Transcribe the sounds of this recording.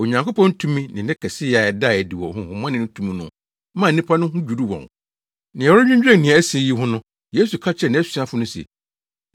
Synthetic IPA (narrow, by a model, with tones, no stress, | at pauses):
o˨ɲã˨ŋkʰo˦pɔ̃˦n̩˦tʰũ˦mĩ˦nɪ̃˨nɪ̃˦kʰɛ˨sɪ˦ja˨ɛ˨da˦˨ɛ˨di˨wɔ̰˨hʊ̃˦hʊ̃˨m˦ã˦nɪ̃˦nʊ̃˦tʰũ˦mĩ˦nʊ̰̃˦ | mã˦˨˦ĩ˦pʰa˦nʊ̃˦ɦʊ̃˦d͡ʑᶣu˨du˦wɔ̰̃˨ŋ | nɪ̃˨ɛ˨˦ɾʊ˦ɲᶣʊ̃˦ɲd͡ʑᶣɾɛ̃˦˨nĩ˨a˨æ˦se˨ji˦ɦʊ̃˦nʊ̃˦ | je˦su˨kʰa˦t͡ɕʰɾɛ˨nɪ̃˦æ˦sɥa˦fʊ˨˦nʊ̃˦sɛ̰˨